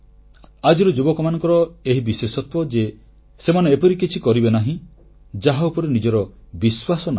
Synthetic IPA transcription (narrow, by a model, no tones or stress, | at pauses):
ad͡ʒiɾɔd͡ʒubɔkɔmanɔŋkɔɾɔeɦibiswesɔt̪wɔd͡ʒe | semaneepɔɾikit͡ʃʰikɔɾibenaɦĩ | d͡ʒaɦaupɔɾenid͡ʒɔɾɔ | biswasɔna